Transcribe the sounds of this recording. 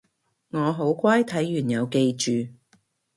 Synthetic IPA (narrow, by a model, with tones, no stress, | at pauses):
ŋɔː˨˧ɦo˨˥wkʷaː˥jt̪ʰɐ˨˥jːyː˨˩njɐ˨˧wke˧jt͡ʃyː˨